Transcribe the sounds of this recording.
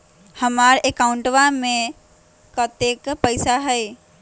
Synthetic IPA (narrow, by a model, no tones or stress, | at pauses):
həmaːɾekaʊ̃ɳʈʋamẽ | kət̪ekpəɪsaɦəe